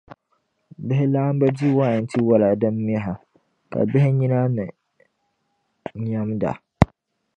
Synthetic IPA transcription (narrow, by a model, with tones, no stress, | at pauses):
bɪ˦ɦɪ˦laː˦m˦ba˦di˦waː˦˨n˦tʰi˦wa˦la˨da˦mːi˦a˦ɦa˨ | ka̰˨bɪ˦ɦɪ˦ɲi˦na˦nɨ˨ | ɲa˦mda̰˨